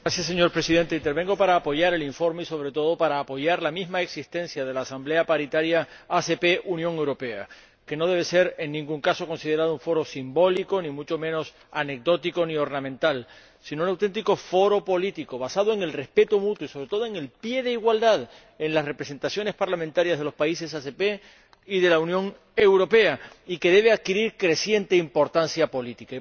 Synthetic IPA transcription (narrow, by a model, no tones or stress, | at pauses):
ɡɾasjasːe̞ɲo̞ɾpɾe̞sið̞e̞nt̪e̞int̪eɾβe̞ŋɡo̞paɾaːpo̞ʝaɾe̞liɱfo̞ɾmeiso̞β̞ɾe̞t̪o̞ð̞o̞paɾaːpo̞ʝaɾlamizmaeksist̪ẽ̞nsjað̞e̞laːsamble̞apaɾit̪aɾjaasepe̞ʔunjõ̞ŋe̞wɾo̞pe̞a̰ | ke̞no̞ð̞e̞β̞e̞se̞ɾe̞nːĩŋɡuŋkaso̞ko̞nsið̞e̞ɾað̞ouɱfo̞ɾo̞simbo̞liko̞nĩmut͡ʃo̞mẽ̞no̞s | ane̞k̚d̪o̞t̪iko̞nio̞ɾnãmẽnt̪al | sinounawt̪e̞nt̪̬iko̞fo̞ɾo̞po̞lit̪ikoβasaðoe̞ŋe̞lre̞spe̞t̪omut̪woiso̞β̞ɾe̞t̪o̞ð̞oeŋe̞lpje̞ð̞e̞iɣwald̪að | e̞nlasre̞pɾe̞se̞nt̪asjo̞ne̞spaɾlamẽnt̪aɾjazðe̞lo̞spaise̞sase̞pe̞ | ið̞e̞launjõ̞ŋ | e̞wɾo̞pe̞a | ike̞ð̞e̞β̞eað̚kiɾiɾkɾe̞sje̞nt̪e̞impo̞ɾt̪ansjapo̞lit̪ika